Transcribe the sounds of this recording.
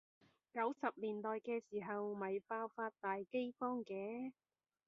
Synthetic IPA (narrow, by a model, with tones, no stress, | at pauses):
kɐ˨˥wsɐ˨p̚liː˨˩nt̪ɔː˨jkɛː˧siː˨˩ɦɐ˨wmɐ˨jpaː˧wfaː˧t̚t̪aː˨jke˥jfɔː˥ŋkɛː˨˧˥